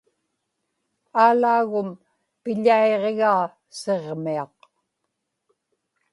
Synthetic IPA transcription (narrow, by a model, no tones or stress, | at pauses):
aːlaːɣʊm | pɪʎaeʁeɣaː | seʁmiɑq